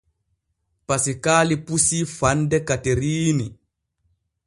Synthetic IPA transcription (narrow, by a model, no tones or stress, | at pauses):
pasikaːlipusifandɛkateɾiːni